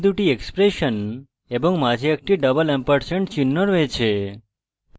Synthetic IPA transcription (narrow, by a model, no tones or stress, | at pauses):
d̪uʈiekspɾeʃən | ebɔ̃ŋɡmad͡ʒʱiak̚ʈiɖəbəlɛmpəɾsəɳʈt͡ʃinːəɾʋet͡ʃʰe